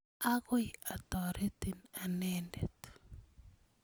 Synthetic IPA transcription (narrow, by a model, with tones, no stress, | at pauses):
aɣo˦ja˨t̪ɔ˨ɾʔe˦t̪ina˨nɛndḛt̪